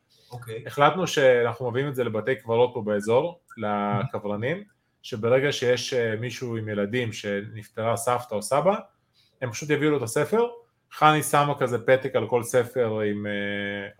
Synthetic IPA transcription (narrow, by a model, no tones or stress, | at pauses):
okeeχlat̪nuʃe̞anaχnumeviimetze̞le̞bat̪e̞jkvaʁo̞t̚pobeezo̞ʁlakavʁanim | ʃebeʁe̞ɡaʃejeʃemiʃuimje̞ladimʃe̞nift̪eʁasaft̪aosaba | empḁʃut̪̬javiulot̪ase̞fe̞ʁ | χanisamakazepe̞t̪ekalko̞lse̞fe̞ʁime